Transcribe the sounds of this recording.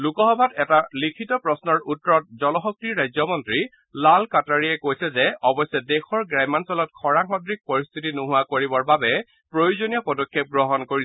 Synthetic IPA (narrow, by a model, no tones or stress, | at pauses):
lukɔxɔbʱatɛtalikʰitɔpɹɔsnɔɹutːɔɹɔt̚zɔlɔxɔk̚tiɹɹajzɔmɔntɹi | lalkataɹiɛkojsɛzɛɔbɔsɛdɛxʰɔɹɡɹajmansɔlɔt̚kʰɔɹaŋkʰɔdɹik̚pɔɹist̪ʰitinuɦʊakoɹibɔɹbabɛ | pɹojuzonijɔpɔdɔkʰːep̚ɡɹɔɦɔnkoɹiɛ